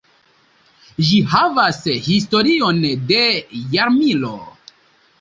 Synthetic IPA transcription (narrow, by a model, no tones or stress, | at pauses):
ʒihavashisto̞ɾio̞nde̞jaɾmilo̰